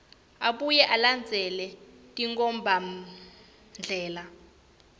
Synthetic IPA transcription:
aɓujɛʔaland͡zʱɛlɛ | tʼiŋkɔmbʱa | nd͡ɮʱɛːla

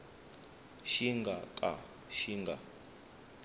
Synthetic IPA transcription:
ʃiŋɡakʼa̰ | ʃiŋɡa

